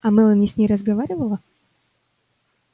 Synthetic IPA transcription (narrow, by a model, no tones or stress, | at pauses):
ɐmɛlˠənʲisʲnʲejɾəzɡɐvaɾʲɪvəlˠə